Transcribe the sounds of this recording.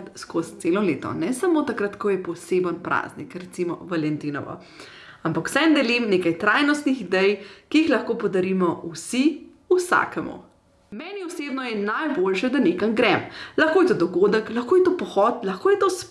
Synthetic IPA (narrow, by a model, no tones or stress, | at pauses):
t̪skost̪seːlɔleːt̪ɔ̰nɛsɐmot̪akɾat̪kɔjɛpɔseːbənpɾa̰ːznḭkɾɛt̪simɔ̰ʋalɛnt̪inɔ̰ʋɔ̰ | ampakw̥sɛnd̪ɛlimneːkajt̪ɾaːjnɔst̪nixid̪ɛjkiixlɐxkopɔd̪aɾimɔusi | usa̰ːkɛmṵ | mɛːniused̪nɔjɛnajbolʃɛd̪anekamɡɾɛmlɐxkoːjɛt̪od̪ɔɡoːd̪əklɐxkoːjɛt̪opɔxɔt̪lɐxkoːjɛt̪os